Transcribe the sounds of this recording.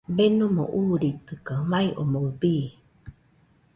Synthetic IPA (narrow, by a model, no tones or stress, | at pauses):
benumo̰ʔuːɾit̪ɨkamaiʔomobiː